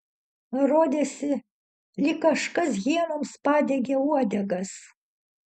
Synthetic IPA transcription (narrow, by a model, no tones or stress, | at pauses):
ɾoːd̪ʲeːsʲɪ | lʲɪkkːɐʃkɐs̬ɣʲiɛnoːmspɑːd̪ʲeɡʲeuɔd̪ʲɛɡɐs